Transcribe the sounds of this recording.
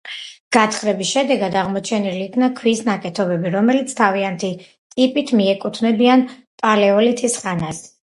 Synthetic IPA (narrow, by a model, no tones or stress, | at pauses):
ɡ̥at̪ʰχɾɛbisʃɛd̪ɛɡad̪aʁmɔt͡ʃʰɛniliːkʰnakʰwisnakʼɛt̪ʰɔbɛbiɾɔmɛlit̪sʰt̪ʰaviant̪ʰi | t̪ʼipʼit̪ʰmiɛkʼut̪ʰnɛbianpʼalɛɔlit̪ʰisχanas